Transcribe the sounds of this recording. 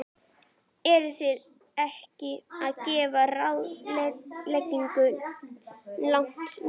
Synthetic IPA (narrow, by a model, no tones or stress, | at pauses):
ɛɾʏθjɪð | ɛhcɪaðcɛːvarawðllɛcːiŋkʏ | lawŋ̥t̪